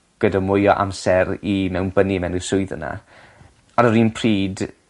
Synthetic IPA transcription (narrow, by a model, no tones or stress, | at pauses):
ɡ̥ədamʊjɔʔa̰msɛɾimɛwnbənimɛwnɪsʊɨðə̰na̰ | ɔɾəɾiːnpʰriːd